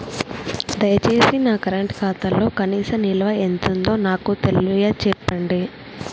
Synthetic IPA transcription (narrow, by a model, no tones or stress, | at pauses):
d̪ɐjɐt͡ʃe̞ːsinaːkɐɾɐɳʈkʰaːt̪ɐlːo̞ːkɐniːsɐmnilɐʋɐent̪und̪o̞ːnaːkut̪ellujɐːt͡ʃɛpːɐɳɖi